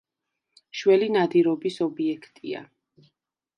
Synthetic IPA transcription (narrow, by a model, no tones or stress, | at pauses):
ʃwɛlinad̪iɾɔbisɔbiɛkʰt̪ʼia̰